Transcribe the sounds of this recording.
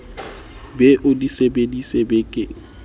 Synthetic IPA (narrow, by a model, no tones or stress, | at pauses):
bɛʔʊdisebedisebekʼɪ